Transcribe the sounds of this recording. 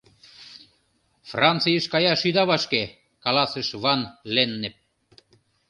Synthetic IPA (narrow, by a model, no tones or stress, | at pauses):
frɑnt͡sijəʃkɑjɑʃyd̪ɑβɑʃke | kɑlɑsə̆ʃβɑnlenːĕp̚